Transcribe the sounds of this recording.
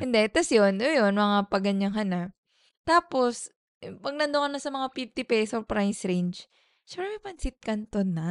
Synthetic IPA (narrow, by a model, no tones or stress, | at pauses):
hɪnd̪ɛt̪ɐsjonojonmɐŋapɐɡɐɲːɐŋɦɐnaʔ | t̪aːpo̞s | pɐɡ̚nɐnd̪okɐnːɐsɐmɐŋafift̪ɪpɛsopɾajsɾejnd͡ʒ | ʃɛmpɾɛmɐjpɐnsɪt̪̚kɐnt̪onːa